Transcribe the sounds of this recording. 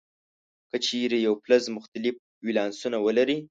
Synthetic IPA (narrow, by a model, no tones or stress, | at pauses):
kət͡ʃeɾejawplazmʊxt̪alɪf | wilɑnsunawəlaɾi